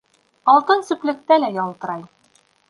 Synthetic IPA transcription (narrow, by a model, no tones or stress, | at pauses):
ɒlˠq̪ɤnsɵ̆plɘ̆k̚t̪ælæjɒlˠt̪ɤ̆ɾɑj